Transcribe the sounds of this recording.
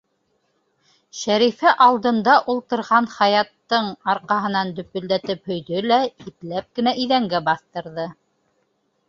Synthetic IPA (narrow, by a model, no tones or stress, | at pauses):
ʃæɾifæʔɑlˠd̪ɤ̆nd̪ɑʔulˠt̪ɤ̆ɾʁɑnχɑjɑt̪ːɤɴɑɾqɑɦɤ̆nɑnd̪ɵ̆pɵ̆ld̪æt̪ɘphɵ̆jðɵlæip̪læp̚kɘ̆næʔiðæŋɡæbɑθt̪ɤ̆ɾðɤ